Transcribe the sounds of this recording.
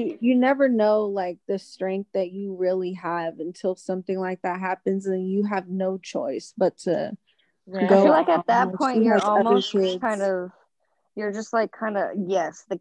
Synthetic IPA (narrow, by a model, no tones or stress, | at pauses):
ɨjɨnɛvə˞noʊlaɪk̚ðɨstɹ̥ɛ̃ŋk̚θðɨt͡ʃɨɹɪlˠiəvɨ̃ntʰɪlˠsʌ̃mθɪ̃ŋlaɪk̚ðɨt̚ɦæpɨ̃nzɨ̃njɨəvnoʊt͡ʃʰɔ̰ɪsb̥ʌtʰɨ̰ | ɡoʊfilaɪkɨðɨt̚pʰɔ̃ɪ̃əəlˠʌmoðə˞stʰkʰãɪ̃ndʌv̥ | jə˞d͡ʒʌst̚ˡlaɪkʰːãɪ̃ndʌ̰jɛsðɨ